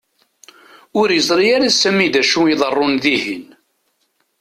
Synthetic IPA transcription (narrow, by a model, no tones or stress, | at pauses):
ʊɾjəzˤɾijaɾasæmid̪æʃuiðˤərˤːʊnðihin